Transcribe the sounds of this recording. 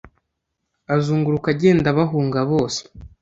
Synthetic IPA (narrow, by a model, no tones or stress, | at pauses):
azuːŋɡuɾukaɟe̞ːndaβaɦuːŋɡaβo̞ːse̥